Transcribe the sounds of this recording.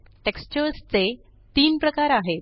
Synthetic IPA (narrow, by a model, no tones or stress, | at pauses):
ʈekst͡ɕəɾst͡se | t̪iːnpɾəkaɾaɦe